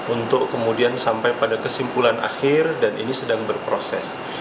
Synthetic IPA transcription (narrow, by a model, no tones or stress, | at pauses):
unt̪ʊkːəmudiansampajpadakəsimpulanʔa̰xɪrdanʔḭnisədaŋbərpɾosɛs